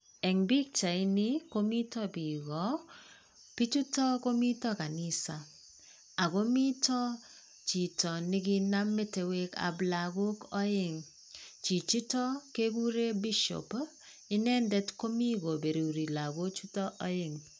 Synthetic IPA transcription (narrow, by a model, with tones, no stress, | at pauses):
ɛ˨ŋbi˦k̚t͡ʃa˨ɪ˦nɪ˦ko˦mi˦tɔ˦bi˨ɡɔ˨˦ | pi˦tu˦tɔ˦ko˦mi˦tɔ˦ka˨nɪ˦sa˨ | a˨ɡo˦mi˦tɔ˦ | t͡ʃi˨tɔ˨nɪ˦ki˦na˦mːe˦te˨we˦ka̰˨bla˨ɡo˦kɔ˦ɪ˦˨ŋ | t͡ʃi˨t͡ʃi˦tɔ˦ke˦k̬u˦ɾe˦bi˦ʃo̰˨p | ɪ˦nɛ˦ndɛ˦tko˦mi˦ɡo˨be˨ɾi˨ɾi˨la˨ɡo˦t͡ʃu˦tɔ˦ʔɔ˦jɪ˨ŋ